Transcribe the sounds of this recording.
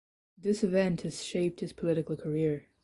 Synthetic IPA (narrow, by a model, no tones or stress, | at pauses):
ðɪsɨvɛ̃nthɨz̥ʃeɪp̚t̚hɨz̥pʰəlɪɾɨkl̩ˠkʰə˞ɪɹ